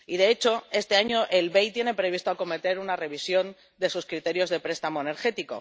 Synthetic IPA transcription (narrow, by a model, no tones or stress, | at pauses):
iðe̞et͡ʃo̞e̞st̪e̞aɲo̞ʔe̞lβe̞jt̪je̞ne̞pɾe̞βist̪oako̞me̞t̪e̞ɾunare̞βisjo̞n | d̪e̞suskɾit̪e̞ɾjo̞zðe̞pɾe̞st̪amoene̞ɾxe̞t̪iko̞̰